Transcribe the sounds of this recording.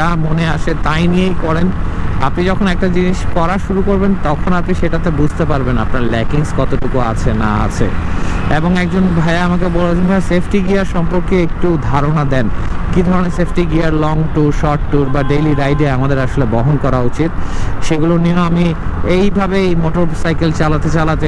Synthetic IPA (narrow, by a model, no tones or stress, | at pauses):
amoneaʃet̪ajniejkɔɾen | a̰pnid͡ʑɔkʰonɛk̚ʈad͡ʑiniʃkɔɾaʃuɾukoɾbent̪ɔkʰonapniʃeʈat̪ebud͡ʑʱt̪epaɾbenapnaɾlɛkiŋskɔt̪oʈukua̰t͡ɕʰena̰a̰t͡ɕʰḛeboŋɛk̚d͡ʑonbʱaeaamakebolot͡ɕʰeasepʰʈiɡiaɾʃɔmpoɾkeek̚ʈud̪ʱaɾonad̪ɛnkid̪ʱɔɾoneɾsepʰʈiɡiaɾlɔŋʈuɾʃɔɾʈːuɾbaɖejliɾajɖeamad̪eɾaʃolebɔɦonkɔɾaut͡ɕit̪̚ʃeɡulonioamiejbʱabeejmoʈoɾsajkelt͡ɕalat̪et͡ɕalat̪e